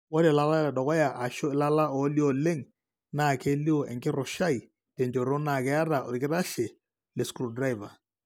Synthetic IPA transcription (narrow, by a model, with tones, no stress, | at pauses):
wɔ˦ɾɛ˨la˦la˦lɛ˨dɔ˨kɔ˦ja˨ʔa˨ʃɔ˦ɪ˦la˦la˦ɔ˨˦li˦ɔ˦˨le˦ŋ | naː˦˨ke˦li˦ɔ˨ʔɛ̰˨ŋkɪ˦ɾɔ˨ʃa˦i˨ | tɛ˨ɲd͡ʒo˨ɾo˦na˨kɛ˦a˦ɾa˨ɔ̰˨ɾkɪ˦ɾa˦ʃɛ˨ | lɛ˨skɾu˨dɾa˦i˨va˨